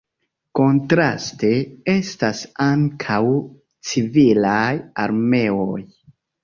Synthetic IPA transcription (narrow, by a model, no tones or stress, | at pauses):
ko̞ntɾa̰ste̞e̞stasaŋkʰaw | t͡sivilaja̰ɾme̞oj